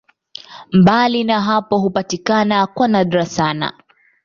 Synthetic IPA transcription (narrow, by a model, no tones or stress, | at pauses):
mbalinaɦapɔɦupatikanakwanaɗɾasana̰